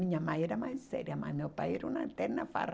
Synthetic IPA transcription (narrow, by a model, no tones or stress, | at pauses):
iɲamaiɾamainsḛɾiama̰miopaiɾunat̪enafa̰ɾ